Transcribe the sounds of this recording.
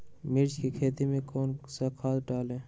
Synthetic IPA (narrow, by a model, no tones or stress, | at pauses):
mɪɾd͡ʒkikʰeːt̪imẽkoːnsakʰaːd̪ʈaːlẽː